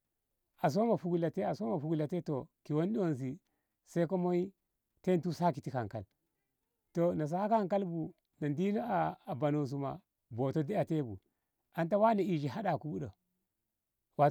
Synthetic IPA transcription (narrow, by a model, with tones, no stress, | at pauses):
a˨s̬o˦ma˨fu˦ɡu˨la˨te˦a˨so˦ma˨fu˨ɡu˨la˨te˦to˨ki˨wo˦n˦ɗi˦wo˦˨ns̬i˨ | sa˦i˦ko˦mo˦i˦ | te˦n˦tu˦sa˦ki˨ti˦ka˨ŋka̰˨l | to˨na˨s̬a˦ha˦ka˦˨ŋka˦lbu˨ | na˨ndi˦no˦aː˨ba˨no˨s̬u˨ma̰˨ | bo˨to˦di˦a˨te˦bṵ˨ | a˨nta˦wa˦ne˨i˨d͡ʒi˨ɦa˦ɗa˨ku˦bu˦ɗo˨ | wa˨